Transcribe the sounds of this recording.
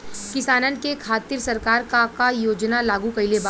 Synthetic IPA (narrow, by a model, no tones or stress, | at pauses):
kɪsaːnənkekʰaːt̪ɪɾsɐɾkaːɾkakajoːd͡ʒnalaːɡũkɐilebaː